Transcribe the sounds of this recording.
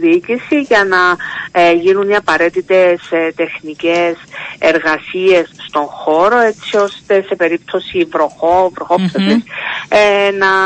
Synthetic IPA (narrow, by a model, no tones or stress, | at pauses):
ðiːcisiʝɐnɐ | ʝinuniɐpɐɾe̞t̪it̪e̞st̪e̞xniceseɾɣɐsie̞sst̪o̞ŋxo̞ɾo̞e̞t͡sio̞st̪e̞se̞pe̞ɾip̚t̪ʰo̞sivɾo̞xovɾoxopθosis | nɐ